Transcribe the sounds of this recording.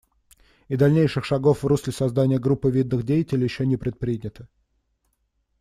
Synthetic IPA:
ɪd̪ɐlʲnʲejʂɨxʂɐɡo̞fvruslʲɪsɐzd̪anʲɪjəɡɾupːɨvʲid̪nɨxdʲejɪtʲɪlʲɪjɪɕːonʲɪpɾʲɪt̪̚pɾʲidʲnʲɪt̪ə̥

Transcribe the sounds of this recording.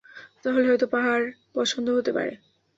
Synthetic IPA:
t̪aɦoleɦɔjt̪opaɦaɾpɔt͡ʃʰond̪ʱoɦot̪epa̰ɾḛ

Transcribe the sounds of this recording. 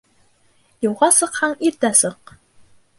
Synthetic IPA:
jŭwʁɑsɤ̆qhɑɴiɾt̪æsɤq

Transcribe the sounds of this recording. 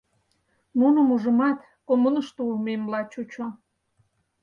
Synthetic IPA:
munəmuʒə̆mɑt̪ | komənəʃt̪oulmemlɑt͡ɕut͡ɕo

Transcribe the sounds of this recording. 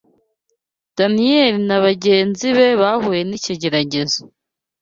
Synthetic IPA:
d̥anijelinaβaɟe̞ːnziβe̞βahuje̞niciɟe̞ɾaɟe̞zo

